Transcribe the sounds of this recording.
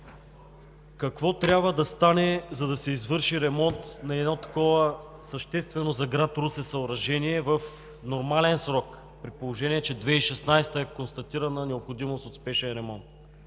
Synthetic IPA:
kɐkvɔt̪ɾʲabvəd̪ɐst̪anɛzɐd̪ɐsɛizvɤɾʃiɾɛmɔnt̪nɐɛd̪not̪ɐ̥kɔvəsəʃt̪ɛst̪vɛnozɐɡɾat̪ɾusɛsɐoɾɐʒɛniɛvəf | noɾmalɛnsɾɔk | pɾipolˠoʒɛniɛt͡ʃɛd̪vɛiʃɛsnajst̪əɛkonst̪ɐt̪iɾɐnənɛopxod̪imost̪ot̪spɛʃɛnɾɛmɔnt̪̚

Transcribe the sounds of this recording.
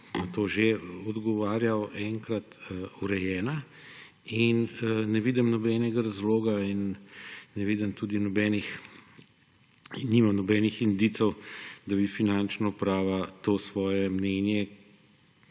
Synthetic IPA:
nɐt̪oːʒeɔd̪ɡɔʋaːɾjawʔɛŋkɾat̪uɾɛjɛːna | innɛʋiːd̪ɛmnɔbɛːnɛɡaɾazloːɡainː | ɛʋiːd̪əmt̪ud̪inɔbɛːnix | imamnɔbɛːnixind̪it̪sɛwd̪abifinant͡ʃnɔpɾaːʋat̪oːsʋɔːjɛmnɛːnjɛ

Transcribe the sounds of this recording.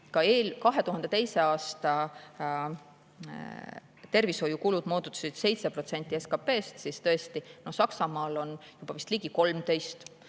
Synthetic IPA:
kɑeːlʲkɑɦe̞t̪uhɦɑnd̪̥e̞t̪e̞jse̞ɑːst̪ɑ | t̪e̞rviso̞jukulud̪̥moːd̪ut̪ːˑu̥sid̪̥se̞jt̪sepro̞t̪se̞nʲt̪ʲːˑieskɑpe̞ːst̪sist̪ɤ̞e̞st̪ino̞hsɑksɑmɑːlo̞njub̥ɑvist̪liɡ̥iko̞lmt̪e̞jst̪

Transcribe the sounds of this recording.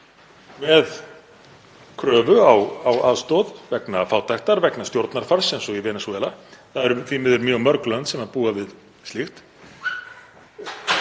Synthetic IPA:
mɛð | kʰɾœːvʏawawaðst̪ɔðvɛknafaːwt̪ajxt̪aɾvɛknast̪jowɾt̪naɾ̥faɾ̥sɛnsɔɣivɛːnasɔvɛːlaθaðɛɾʏθvimɪðʏɾmjœːɣmœɾklœnt̪sɛmaðpuːavɪð | st̪lixt̪

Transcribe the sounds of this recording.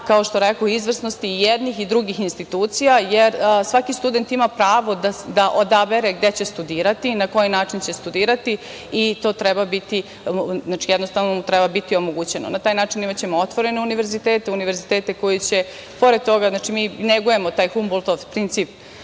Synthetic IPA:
kaoʃt̪oɾekoizʋr̩sno̞st̪iːjed̪nixid̪ɾuɡixinst̪it̪uːt̪sijajeɾsʋakist̪ud̪e̞nt̪imapɾaːʋo̞d̪ad̪aʔod̪abe̞ɾeɡ̚d̪e̞t͡ɕe̞st̪ud̪iːɾat̪inako̞jinaːt͡ʂint͡ɕe̞st̪ud̪iːɾat̪i | it̪o̞ːt̪ɾɛbabit̪i | znaːt͡ʃijɛd̪nost̪aʋnot̪ɾɛbabit̪io̞moɡut͡ɕe̞no̰nat̪aːjnaːt͡ʃinimat͡ɕe̞moot̪ʋo̞ɾe̞neuniʋe̞ɾzit̪eːt̪euniʋe̞ɾzit̪eːt̪e̞ko̞jit͡ɕe | po̞ɾed̪̚t̪o̞ɡaznaːt͡ʃimiːneɡuje̞mot̪aːjxumbolt̪oʋpɾint̪siːp

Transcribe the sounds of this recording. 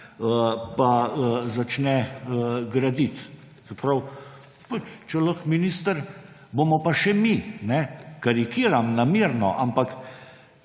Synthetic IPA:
əpaəzat͡ʃnɛəɡɾad̪it̪ | zɛpɾaw | pat͡ʃt͡ʃɛləxminist̪əɾ | bomɔpaʃɛminɛkaɾikiːɾamnamiːɾnɔ̰ʔampak

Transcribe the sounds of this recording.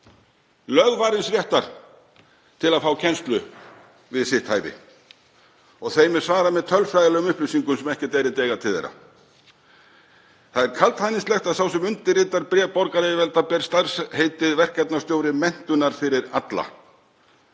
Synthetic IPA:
lœðvaːɾɪnsvjɛht̪aɾ̥ | t̪ʰɪlaðfaːwcʰɛnst̪lʏ | vɪðsɪht̪hajvɪ̰ | ɔɣθejmɛðsvaːɾamɛðt̪ʰœlfɾajðɪlɛːɣʏmʏhplisiŋkʏmsɛmɛhcɪt̪ɛːɾɪt̪ɛːɣat̪ʰɪðḛjɾa̰ | θaðɛɾ̥kʰalt̪hajninstlɛxt̪asawsɛmʏnt̪ɪrɪːt̪aɾpɾɛːpɔɾkaɾɪvɛlt̪apɛɾst̪aɾ̥shejt̪ɪðvɛr̥kɛt̪nast̪joːwɾɪmɛn̥t̪ʏnaɾ̥fɪɾɪɾat̪la̰

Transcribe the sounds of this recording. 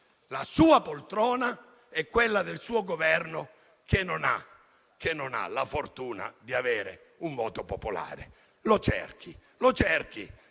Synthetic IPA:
lasuːapolt̪ɾɔːna | ɛkːwelːad̪elsuːoɡovɛrno | kʰenːona̰ | k̟enːona̰lafort̪uːna̰d̪iaveːɾḛ | uɱvɔːt̪opopola̰ːɾḛ | lot͡ʃɛ̰rk̟ʰi | lot͡ʃɛrk̟i

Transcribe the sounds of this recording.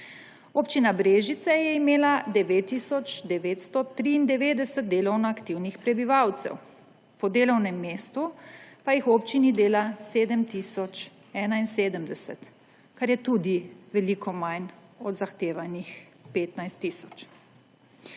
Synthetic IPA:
oːpt͡ʃinabɾeːʒit̪sɛjɛimeːlad̪ɛʋeːt̪ːisɔt͡ʃd̪ɛʋeːt̪st̪ɔt̪ɾiːnd̪ɛʋeːd̪ɛsət̪̚d̪eːlɔwnaakt̪iwnixpɾɛbiʋawt̪sɛ̰w | pɔd̪eːlɔwnɛmːeːst̪upajixwop̚t͡ʃinid̪eːlaseːd̪əmt̪isɔt͡ʃ | ɛːnainseːd̪əmd̪ɛsɛ̰t̪ | kaɾjɛt̪uːd̪iʋɛlikʰɔmajnɔd̪zaxt̪eːʋanix | peːt̪najst̪ːisɔt͡ʃ

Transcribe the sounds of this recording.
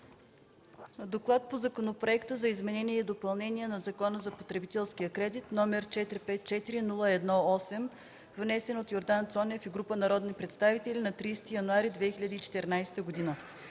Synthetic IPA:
d̪oklˠat̪̚pozɐkonopɾoɛkt̪əzɐizmɛnɛniɛid̪opɐlˠnɛnʲiɛnɐzɐkɔnəzɐpot̪ɾɛbit̪ɛlˠsk̟ijəkɾɛd̪it̪nɔmɛɾt͡ʃɛt̪ɾipɛt̪̚t͡ʃɛt̪iɾinulˠəɛd̪nɔɔsɛm | vnɛsɛnot̪joɾd̪ant̪sɔnʲəfiɡɾupənɐɾɔd̪nipɾɛt̪st̪avit̪ɛlinɐt̪ɾiːst̪ijɐnuaɾid̪vɛxilʲəd̪iːt͡ʃɛ̥t̪ɛɾnajsɛ̥t̪əɡod̪inə

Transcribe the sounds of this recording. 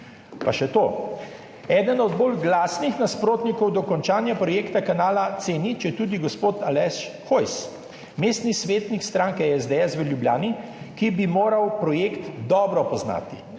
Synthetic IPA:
paʃɛt̪oː | ɛːd̪ənɔd̪boːlɡlaːsnixnaspɾoːt̪nikɔwd̪ɔkɔnt͡ʃaːnjapɾɔjeːkt̪akanaːlat̪senit͡ʃɛt̪uːd̪iɡɔspoːt̪alɛsxojs | meːst̪nisʋeːt̪nikst̪ɾaːŋkɛɛzd̪eɛsʋəljublja̰ːni | kibimoːɾawpɾɔjeːkt̪d̪ɔːbɾɔpɔzna̰ːt̪i

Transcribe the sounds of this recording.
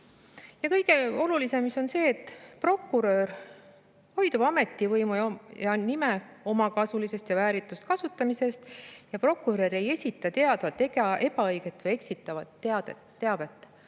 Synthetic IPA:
jɑkɤjɡ̥e̞o̞lulise̞miso̞nse̞ːt̪ːˑpro̞kːˑuɾø̞ɾ | ho̞jd̪ubɑme̞t̪ːˑivɤjmujjɑnime̞ | o̞mɑkɑsulise̞st̪jɑvæːɾit̪ːˑust̪̚kɑsut̪ːˑɑmise̞st̪jɑpro̞kːˑuɾøɾe̞je̞sʲit̪ːˑɑt̪e̞ɑd̪̥vɑt̪ːekɑe̞pɑɤjɡ̥e̞t̪ːˑvɤje̞ksit̪ːˑɑvɑt̪ːe̞ɑd̪̥et̪ːe̞ɑve̞t̪ːˑ

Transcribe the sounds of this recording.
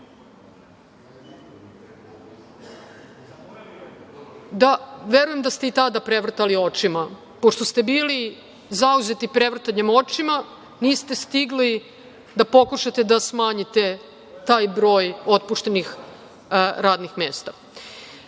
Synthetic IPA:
d̪aʋe̞ɾuje̞md̪ast̪e̞it̪ad̪apɾeʋr̩t̪alio̞t͡ʂima | po̞ʃt̪ost̪e̞biːli | zauze̞t̪ipɾeʋr̩t̪aɲemo̞t͡ʂima | niːst̪e̞st̪iɡli | d̪apo̞kuʃat̪ed̪asmaːɲit̪e̞ | t̪aːjbɾo̞ːjo̞t̪̚puʃt̪e̞nix | ɾaːd̪nixmeːst̪a

